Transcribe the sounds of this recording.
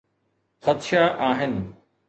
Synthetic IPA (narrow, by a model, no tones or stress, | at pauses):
xɐt̪ʃaʔaːɦɪnɪ̆